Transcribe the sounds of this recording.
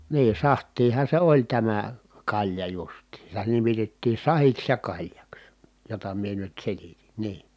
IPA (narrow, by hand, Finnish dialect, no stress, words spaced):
niː sɑhtˑiːhɑ se olʲ tæmæ kɑlʲjɑ justiːn̞ sitæ nimitetːiː sɑhiks jɑ kɑlʲjɑks jotɑ mie nyt selitin̞ niː